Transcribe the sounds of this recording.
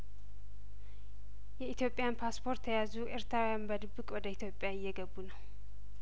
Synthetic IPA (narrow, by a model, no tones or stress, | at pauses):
jɛit̪jo̞pʼejanpʰaspʰo̞ɾt̪ʰːəjazuʔɨɾt̪ʰɾawijanbəd̪ɨbːɨkʼwɔd̪əit̪ʰjo̞pʼjaɪjːɛɡəbːunəw